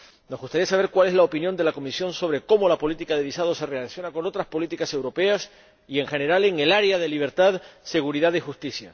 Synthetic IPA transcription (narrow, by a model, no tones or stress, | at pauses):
no̞zɣust̪aɾiasaβ̞e̞ɾkwale̞zlaopinjond̪e̞lako̞misjo̞nso̞β̞ɾe̞ko̞mo̞lapo̞lit̪ikaðe̞βisað̞o̞se̞relaθjo̞nako̞no̞t̪ɾaspo̞lit̪ikase̞wɾope̞as | ie̞ŋxe̞ne̞ɾale̞ŋe̞laɾeað̞e̞liβ̞e̞ɾt̪aðse̞ɣuɾiðaðixust̪isja̰